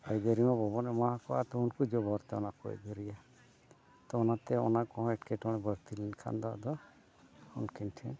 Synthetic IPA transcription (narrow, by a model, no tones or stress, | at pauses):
ajd̪əɾimɔ̃bɔbɔnɛmaakɔa̰t̪ɔunkud͡ʒɔbɔɾt̪ɛɔnakɔ̰jd̪əɾija | t̪ɔːnat̪ɛɔ̰nakɔɦɔ̃ɛʈkɛʈɔɽ̃ɛbəɾt̪ilɛnkʰa̰nd̪ɔa̰d̪ɔ | unkinʈʰɛ̃